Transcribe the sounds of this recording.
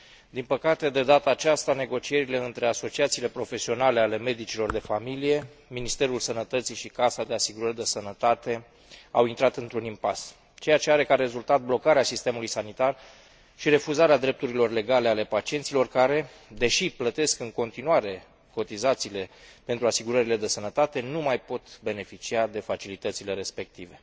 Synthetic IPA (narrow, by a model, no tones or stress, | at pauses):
d̪inpəkat̪e̞d̪e̞d̪at̪aːt͡ʃast̪ane̞ɡo̞t͡ʃie̞ɾile̞ɨnt̪ɾe̞aso̞t͡ʃiat̪siːle̞pɾo̞fe̞sio̞nale̞ale̞me̞d̪it͡ʃilo̞rd̪e̞familije̞ | minist̪e̞ɾulsənət̪ət̪siʃikasad̪e̞asiɡuɾərd̪esənət̪at̪e̞ | a̰wint̪ɾat̪ɨnt̪ɾunimpas | t͡ʃe̞jat͡ʃe̞aɾe̞kaɾe̞zult̪at̪̚blo̞kaɾeasist̪e̞mulujsanit̪ar | ʃiɾe̞fuzaɾead̪ɾe̞p̚t̪uɾilo̞rle̞ɡale̞ale̞pat͡ʃie̞nt̪silo̞rkaɾe̞ | d̪e̞ʃiplət̪e̞skɨŋko̞nt̪inuaɾe̞ | ko̞t̪izat̪siːle̞pe̞nt̪ɾuasiɡuɾəɾile̞d̪e̞sənət̪at̪e̞numajpo̞t̪be̞ne̞fit͡ʃiad̪e̞fat͡ʃilit̪ət̪sile̞ɾe̞spe̞k̚t̪ive̞